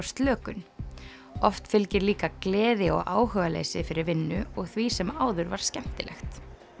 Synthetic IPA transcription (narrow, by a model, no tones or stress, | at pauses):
st̪lœːkʏn | ɔft̪fɪlcɪɾliːkaklɛːðɪɔ̰ɣʔaːwhœːɣalḛːjsɪfɪɾɪɾvɪnːʏɔɣθvisɛmaːwðʏɾvaɾ̥scɛm̥t̪ɪlɛ̰xt̪